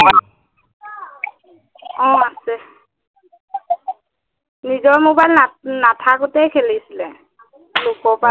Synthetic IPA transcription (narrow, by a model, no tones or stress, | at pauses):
ɔ̃asɛ | nizɔɹmobajlnatʰakʊtɛjkʰelisilɛ | lokɔpa